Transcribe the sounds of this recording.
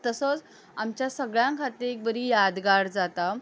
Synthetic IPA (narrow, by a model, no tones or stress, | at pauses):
t̪əsət͡s | amt͡ɕjasəɡɭjãŋkʰat̪iːɾek̚bəɾijad̪ɡaɽd͡zat̪a